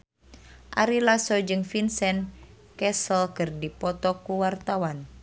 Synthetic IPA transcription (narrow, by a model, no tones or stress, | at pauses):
ʔaɾilasɔd͡ʒɨŋfinsɛn | kɛsəlkɨrdipɔt̪ɔkuwart̪awan